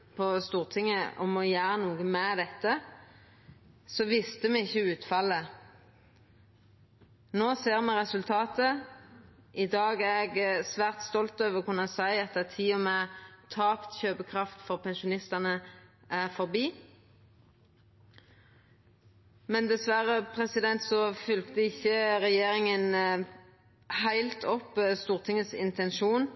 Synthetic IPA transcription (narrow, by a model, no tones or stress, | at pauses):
pʰɔst̪uːʁt̪ʰɪŋəʔɔmɔjæːɾənuːɡəmɛd̪ɛt̪ːə | sɔʋɪst̪əmɛɪçːəʉːt̪fɑlːə | noːseːʁmɛʁɛsʉlt̪ʰɑːt̪ə | ʔɪd̪ɑːɡæʁɛɡsʋæːʁt̪st̪ɔlt̪øːʋəʁkʉnɑsæɪɛt̪ːət̪ʰiːɔmɛt̪ʰɑːpt̪çøːpəkʰʁɑft̪fɔʁpʰɛnʃʊnɪst̪ɑnə | ʔæʁfɔʁbiː | mɛnd̪ɛsʋæʁəpʰʁɛsɪd̪ɛnt̪sɔfʉlkt̪əɪçːəʁɛjeːʁɪŋən | hæɪlt̪ʰɔpːst̪uːʁt̪ʰɪŋəsɪ̰nt̪ʰɛnʃuːn